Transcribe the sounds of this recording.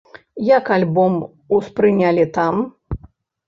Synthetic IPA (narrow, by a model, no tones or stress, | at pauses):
jakalʲbɔm | uspɾɨnʲalʲit̪am